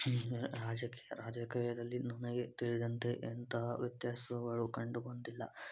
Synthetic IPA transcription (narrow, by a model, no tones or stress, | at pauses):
ɾaːd͡ʒɐkiːjɐɾaːd͡ʒɐkiːjɐd̪ɐlːinunɐɡet̪iɭid̪ɐnt̪e̞ʔːnt̪ɐɦʋɐt̪jaːsɐuɡɐɭukɐɳɖubɐnd̪ilːɐ